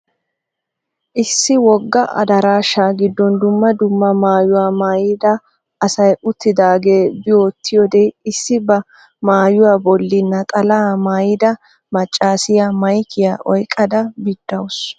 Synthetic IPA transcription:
ʔɪsːɪwɔɡːɐʔɐ̰d̪ɐɾaːʃaːɡɪd̪ːɔnd̪ʊmːɐd̪ʊmːɐmaːjʊwaːmaːjɪd̪ɐ | ʔɐsɐjʊt̪ːɪd̪aːɡeːbɪjoːt̪ʰːɪjɔd̪eɪsːɪbɐ | maːjʊwaːbɔlːɪnːɐkʼɐlaːmaːjɪd̪ɐ | mɐt͡ʃʼːaːsɪjamɐjkɪjaːʔɔjkʼːɐd̪ɐbɪd̪ːɐws

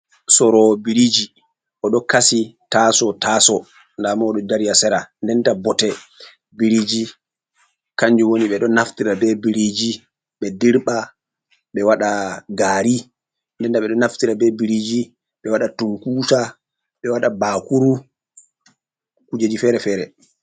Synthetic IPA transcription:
sɔɾɔbiɾid͡ʒi | ʔɔɗɔkasitasɔtaːsɔ | ndamɔɗɔdaɾijasɛɾandɛntabɔtɛ | biɾid͡ʒi | kaɲd͡ʒuwoniɓɛɗɔnːaftiɾabɛbiɾid͡ʒi | ɓɛdiɾɓa | ɓɛwaɗaɡaːɾi | ndɛntaɓɛɗɔnaftiɾabɛbiɾid͡ʒi | ɓɛwaɗatuŋkuːsa | ɓɛwaɗabakuɾu | kud͡ʒed͡ʒifɛːɾɛfɛːɾɛ

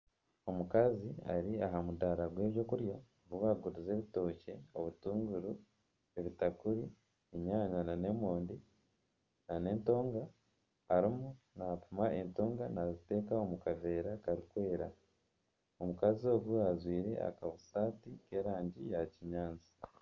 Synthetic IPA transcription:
o̞mukazia̰ɾiaɦamudaɾaɡwe̞ːβjo̞kuɾjo | βwaɡuɾize̞ːβito̞ːce̞o̞βutuːŋɡuɾu | eβitakuɾi | iɲaːɲanane̞moːndi | nane̞ːnto̞ːŋɡaː | ɾimu | napumaento̞ːŋɡanazite̞ːkao̞mukave̞ːɾakaɾikwe̞ːɾa | o̞mukazio̞ːɡuazwiːɾe̞̰a̰kaβusaːtike̞ːɾaːɲɟijaciɲaːnzi̥

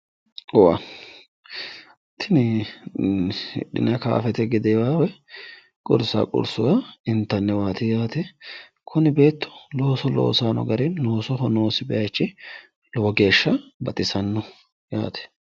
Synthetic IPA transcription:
ɔwa̰ | t̪ʰɪnɪ | ɗɪ̰nɐka̰ːfɛt̪ɛɡɪd̪ɛwaːwɛ | kʼʊ̰ɾsa̰ːkʼʊ̰ɾsʊwaɪnt̪ːɐnːɛwaːt̪ɪjaːt̪ɛ | kʰʊnɪbe̞ːt̪ːɔ̥lo̞ːsɔlo̰ːsaːnɔ̰ɡɐɾɛnːoːsɔɦɔno̞ːsɪbɛjɐt͡ʃːɪ | lɔwɔɡe̞ːʃːɐbɐt̪ʼɪsɐnːɔ | ja̰ːt̪ʰɛ̥

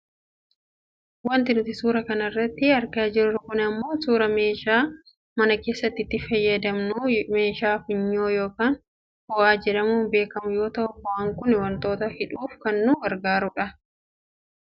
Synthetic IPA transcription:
wɐnt̪ɪnʊt̪ɪsuːɾɐkɐnɐrːɐt̪ːɪɐɾkaːd͡ʒɪɾɾʊkʊnɪɐmːo̞ːsuːɾɐme̞ːʃaː | mɐnɐke̞ːsːɐt̪ːɪt̪ːɪfɐjːɐd̪ɐmnume̞ːʃaːfɪɲːoːjoːkaːn | hɔʔaːd͡ʒɛᶑɐmuːnbe̞ːkɐmʊjo̞ːt̪ɐʔʊbɔʔɐŋkʊnɪwɐnt̪o̞ːt̪ɐhɪᶑuːfkɐnːʊɡɐɾɡaːɾʊᶑɐ

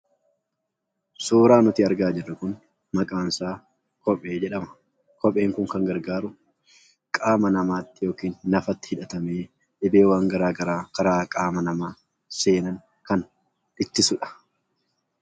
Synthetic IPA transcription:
soːɾaːnʊt̪iːɐɾɡaːd͡ʒɪrːɐkʊn | mɐkʼaːnsaː | kɔpʼeːd͡ʒɛᶑɐmɐ̥ | kɔpʼe̞ːŋkʊŋkɐŋɡɐɾɡaːɾʊ | kʼaːmɐnɐmaːt̪ːɪjo̞ːkiːnːɐfɐt̪ːɪ̥hɪᶑɐt̪ɐmeː | ᶑɪbeːwaːŋɡɐɾaːɡɐɾaːkɐɾaːkʼaːmɐnɐmaː | se̞ːnɐŋ | kɐn | ɪt̪ːɪsʊᶑɐ̥

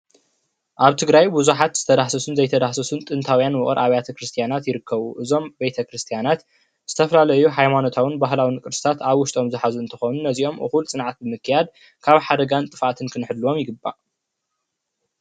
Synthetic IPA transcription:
ʔaβt̪ʰɨɡɾajbuzuħat̪z̥ɨt̪ʰɐd̪aħsɐsunzɐjt̪ʰɐd̪aħsɐsunt̪ʼɨnt̪ʰawjanwʊχʼɨɾʔaβjat̪ʰɐkɾɨst̪ʰijanat̪jɪɾɨkʰːɐβuʔɨzo̞mbe̞t̪ʰɐkɾɨst̪ʰijanat̪ | z̥ɨt̪ʰɐfɐlalɐjuħajmano̞t̪ʰawɨnbaɦlawinɨkʼɨɾsɨ̥t̪ʰat̪aβwʊʃt̪ʼo̞mzɨħazuɨnt̪ʰɨxonunːɐziʔo̞mʔɨ̰xult͡sʼɨnʕat̪̚bɨmɨkːɨjad̪̚ | kʰaβħad̪ɐɡant̪ʼɨfat̪ʰɨnkʰɨnħɨd̪ːuwo̞mjɪɡɨbːa̰

